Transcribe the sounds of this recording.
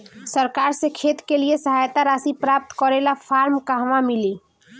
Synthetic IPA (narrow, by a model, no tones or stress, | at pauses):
səɾkaɾsẽkʰet̪keliesəɦajt̪aɾasipɾap̚t̪kɔɾelapʰaɾmkaɦʋamili